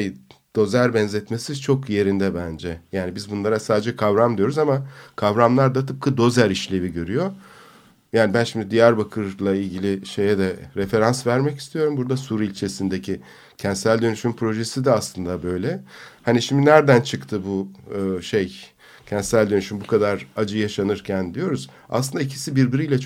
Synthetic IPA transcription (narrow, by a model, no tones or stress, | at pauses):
jd̪̥o̞zæɾbɛnzɛt̪me̞sit͡ʃʰo̞kje̞ɾind̪ɛbænd͡ʒɛjaːnibizbunlˠaɾasaːd̪ed͡ʒɛkʰavɾamd̪ijo̞ɾuzamakʰavɾamlˠaɾd̪at̪ʰɯp̚kʰad̪o̞zæɾiʃlʲe̞viɟø̞ɾyjo̞ | jaːnibænʃimd̪id̪ijæɾbakʰɯɾlˠailʲɟilʲiʃe̞jɛd̪ɛɾefe̞ɾansvæɾmɛci̥st̪ʰijo̞ɾumbuɾd̪asuɾilʲt͡ʃʰe̞sind̪e̞cʰi | cʰɛnt̪sælʲd̪ø̞nyʃympʰɾo̞ʒe̞sid̪ɛaslˠɯnd̪abø̞jlʲɛhaniʃimd̪inæɾd̪ænt͡ʃʰɯkt̪ʰɯbuɯːʃej | cʰɛnt̪sælʲd̪ønyʃymbukʰad̪aɾad͡ʒɯjaʃanɯɾcʰænd̪ijo̞ɾuz̥ | a̰slˠɯnd̪aicʰi̥sibiɾbiɾijlʲɛt͡ʃʰ